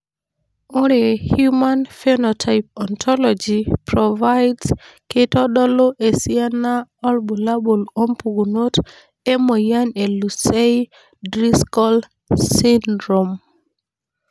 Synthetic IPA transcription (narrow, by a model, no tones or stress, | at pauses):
oɾehjumanfenɔtʰajp̚ɔntʰɔlɔd͡ʒipɾɔvajdskɪtɔɗɔloʔesianaɔlbulabolompuɡunot | emojanelusej | dɾiskɔl | sindɾom